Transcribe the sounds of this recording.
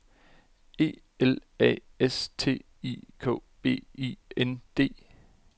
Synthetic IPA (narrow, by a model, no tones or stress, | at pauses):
e̝̰ː | elɛ̰est͡sʰe̝̰ː | ḭkʰɔ̰̽ːb̥e̝̰ːḭːend̥e̝̰ː